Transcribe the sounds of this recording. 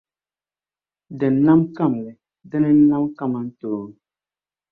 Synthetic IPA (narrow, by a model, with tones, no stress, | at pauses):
dɛ˨n˨˦na˦mka˦˨mlɛ˨ | dɛ˦nɛ˦n̩˦na˦mka˦˨ma˨n̩˦toː˨ŋ˨